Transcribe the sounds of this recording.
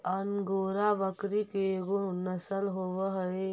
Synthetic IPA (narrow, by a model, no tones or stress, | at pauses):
ɐnɡoːɾaʋəkɾikeɡunɐsəlɦoːʋɦəe